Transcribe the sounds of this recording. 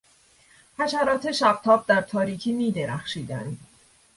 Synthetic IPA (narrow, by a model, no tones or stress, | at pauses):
hæʃæɾɒːt̪ʰe̞ʃæb̚t̪ʰɒːb̚d̪æɾt̪ʰɒːɾiːcʰiːniːd̪eɾæxʃiːd̪ænd̪